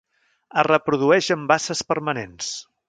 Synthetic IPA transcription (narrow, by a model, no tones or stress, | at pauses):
ərəpɾuðuɛʃəmbasəspəɾmənens